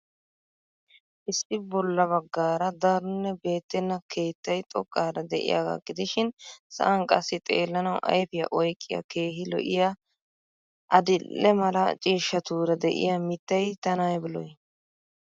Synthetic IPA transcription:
ʔɪsːɪbɔlːɐβɐɡːaːɾɐd̪ɐɾʊnːɛbe̞ːt̪ːɛnːɐkʰe̞ːt̪ːɐjt̪ʼɔ̰kʼːaːɾɐd̪ɛʔɪ̰ja̰ːɡa̰ɡɪd̪ɪʃɪnsɐ̰ʔɐnkʼɐsːɪt̪ʼḛːlːɐnɐwʔɐ̰jfɪjɐ̰ʔɔjkʼːɪjɐ̰ke̞ːhɪlɔ̰ʔɪja | ʔɐd̪ɪlːɛmɐlɐt͡ʃʼiːʃːɐt̪uːɾɐd̪ɛ̰ʔɪ̰jɐmɪt̪ːɐjt̪ɐnaːjbɪlɔj

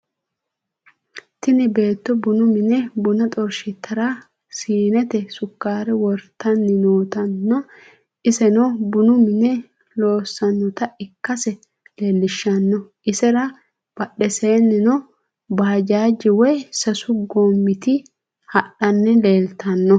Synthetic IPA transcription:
t̪ɪnɛbe̞ːt̪ːɔbʊnʊmɪnɛbʊnɐt̪ʼɔɾʃɪt̪ːɐɾa | siːnɛt̪ɛsʊkːaːɾɛwɔɾt̪ːɐnːɪnoːt̪ɐnːɔ | ʔɪsɛnɔbʊnʊmɪnɛ | lo̞ːsːɐnːɔt̪ɐɪkːɐsɛ | le̞ːlːɪʃːɐnːɔʔɪsɛɾɐ | b̥ɐɗɛseːnːɪnɔ | baːd͡ʒaːd͡ʒːɪwɔjsɐsʊɡomːɪt̪ɪ | hɐɗɐnːɛle̞ːlt̪ʰɐnːɔ

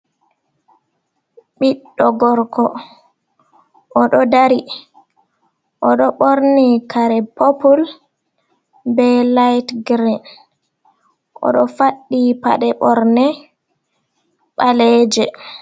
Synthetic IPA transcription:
ɓiɗːɔɡɔɾkʰɔ | ʔɔɗɔdaɾi | ʔɔɗɔɓoɾnikaɾɛpopul | bɛlajtɡɾin | ʔɔ̰ɗɔfaɗːipa̰ɗɛɓɔɾnɛ | ɓalɛd͡ʒɛ

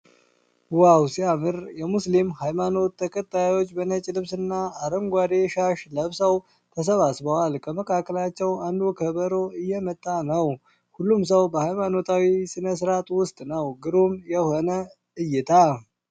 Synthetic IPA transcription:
wawsiamɨɾjɛmuslimhajmano̞t̪ːəkʼət̪ʼːajwo̞t͡ʃːbənət͡ʃʼlɨβsɨnːaːɾəŋɡʷad̪eʃaʃləβsaw | t̪ʰəs̬əβasbəwalkʰəməkʰʼakːəlat͡ʃːɛwand̪ukʰəβəɾo̞ɨjːɛmət̪ʼːanəw | hulːums̬əwbəhajmano̞t̪ʰawisɨnəs̬ɨɾat̪ʼwʊst̪ʼnəwɡɨɾumjɛho̞nə | ɨjɪt̪ʰa

